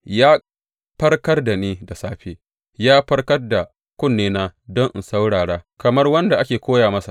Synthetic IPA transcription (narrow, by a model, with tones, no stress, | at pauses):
jaː˦ | ɸɐ˦rkɐ˦rda˨neː˦da˨saː˦ɸeː˦ | jaː˦ɸɐ˦rkɐ˦rda˨ | kʷʊ˦nːeː˦na˦dɔ˦ŋʔɪ̰˨nsa˦wɽaː˨ɽaː˦kɐ˨mɐ˦rwɐ˦nda˨ʔa˦kʲeː˨kʷoː˦jaː˨mɐ˦sa̰˨ʔ